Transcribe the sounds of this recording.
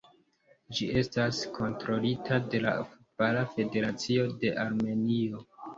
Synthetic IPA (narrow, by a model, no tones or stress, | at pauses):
d͡ʒie̞staskʰo̞ntɾo̞litʰade̞la̰fut̚balafe̞de̞ɾat͡sio̞de̞ʔaɾme̞nio̞